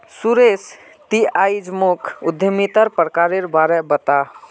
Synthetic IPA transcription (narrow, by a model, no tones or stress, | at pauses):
suɾes | t̪iajd͡ʒmukʰʊd̪ʱjəmit̪əɾpɾəkaɾeɾbaɾɛbət̪a